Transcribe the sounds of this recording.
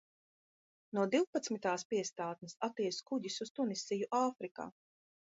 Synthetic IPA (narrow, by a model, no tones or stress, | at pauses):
nuɔd̪iwpat̪smit̪aːspiɛst̪aːt̪̚nisat̪iɛskuɟisust̪unisijuʔaːfɾika̰ː